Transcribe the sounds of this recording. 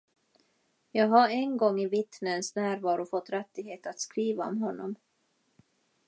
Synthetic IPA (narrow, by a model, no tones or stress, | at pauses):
jɑːɡɦaɾɛnɡɔŋːɪvɪt̪nənsnæːɾvɑːɾʊfɔt̪ːɾɛt̪ːɪɡheːt̪at̪skɾiːvaɔ̰mɦɔnːɔm